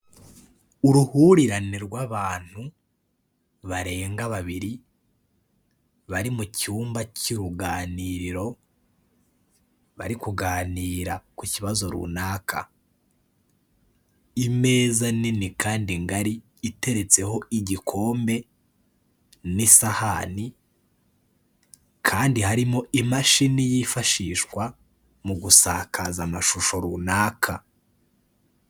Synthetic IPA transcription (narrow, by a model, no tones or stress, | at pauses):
uɾuhuɾiɾaniɾɡwaβaːn̥hu | βaɾe̞ːŋɡaβaβiɾi | βaɾimucuːmbaciɾuɡaːniːɾiɾo̞ | βaɾikuɡaːniːɾakuciβazo̞ɾṵnaːkʰa̰ | ime̞ːzaninikaːndiŋɡaɾiː | te̞ɾe̞t͡se̞ho̞ʔiɟikʰo̞ːmbe̞ | nisahani | kʰaːndihaɾimo̞ʔimaʃinijifaʃiʃkwa | muɡusaːkʰazamaʃuʃo̞ɾunaːkʰa